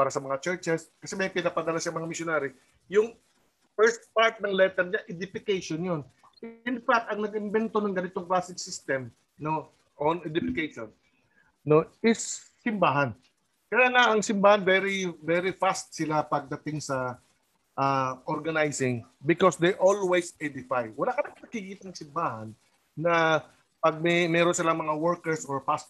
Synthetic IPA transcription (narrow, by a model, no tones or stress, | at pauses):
paːɾɐsɐmɐŋat͡ʃɛɹt͡ʃɛskɐsɛmɐjpɪnapɐd̪ɐlaʃamɐŋamɪsjonaɾɪ | jʊŋ | fɛɹst̪̚paɹt̪̚nɐŋlɛt̪ɛɾɲaʔɪd̪ɪfɪkejʃonjon | ʔɪnfak̚t̪ɐŋnɐɡɪmbɛnt̪o̞nɐŋɡɐnɪt̪oŋklasɪŋsɪst̪ɛm | no̞ | ʔonɛd̪ɪfɪkejʃon | no̞ɪsː | ɪmbaːɦɐn | kɐjaːŋaʔɐŋsɪmbaːhɐnvɛɾɪvɛɾɪfast̪̚sɪlapɐɡ̚d̪ɐt̪ɪŋsɐ | ʔaʔoɹɡɐnajsɪŋbɪkosd̪ejʔolwejsɛd̪ɪfajwɐlakɐnaŋpɪnɐɡ̚kiɡit̪nɐŋsɪmbaːhɐnː | ɐ | pɐɡ̚mɛmɛɾonsɪlaŋmɐŋawɔɹkɛɹsoɹpast̪